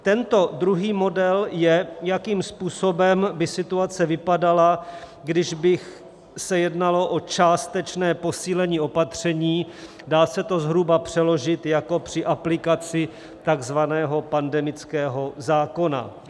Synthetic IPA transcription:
t̪ɛnt̪o̞dɾuɦiːmo̞dɛljɛjakiːmspuːso̞bɛmbɪsɪt̪uat͡sɛvɪpadala | ɡdɪʒbɪx | sɛjɛdnalo̞ʔo̞t͡ʃaːst̪ɛt͡ʃnɛːpo̞siːlɛɲiːo̞pat̪r̝̥ɛɲiː | daːsɛt̪o̞zɦɾubapr̝̥ɛlo̞ʒɪt̪jako̞pr̝̥ɪʔaplɪkat͡sɪ | t̪aɡzvanɛːɦo̞pandɛmɪt͡skɛːɦo̞zaːko̞na̰

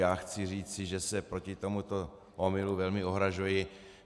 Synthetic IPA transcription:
jaːxt͡sɪr̝iːt͡sɪʒɛsɛpɾo̞cɪt̪o̞mut̪o | ʔomɪluvɛlmɪo̞ɦɾaʒujɪ

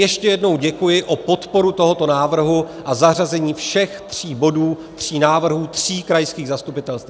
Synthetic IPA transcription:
jɛʃcɛjɛdno̞wɟɛkujɪʔopo̞t̪po̞ɾut̪o̞ɦo̞t̪o̞naːvr̩ɦu | ʔazar̝azɛɲiːfʃɛxt̪r̝̥iːbo̞duː | t̪r̝̥iːnaːvr̩ɦuːt̪r̝̥iːkɾajskiːɣzast̪upɪt̪ɛlst̪

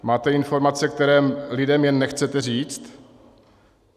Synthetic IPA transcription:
maːt̪ɛɪnfo̞ɾmat͡sɛk̚t̪ɛɾɛːlɪdɛmjɛnːɛxt͡sɛt̪ɛriːt͡st̪

